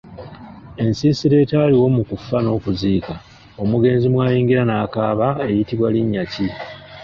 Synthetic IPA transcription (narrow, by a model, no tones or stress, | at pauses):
e̞nsiːsiɾe̞ːtaːliwo̞mukufːano̞ːkuziːka | o̞muɡe̞ːnzimwaːjiːŋɡiɾanaːkaːβae̞jitiβwaliɲːaci